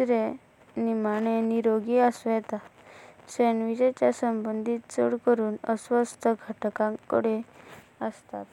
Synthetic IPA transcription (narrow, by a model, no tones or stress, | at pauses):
ɾe | nimaɽ̃eniɾoɡiəsʋɛt̪a | senʋid͡ʑet͡ɕasəmbənd̪ʱit̪t͡sə̰ɽkəɾuːnə̰sʋəst̪ʰəɡʱaʈkãŋkəɽeəst̪a̰t̪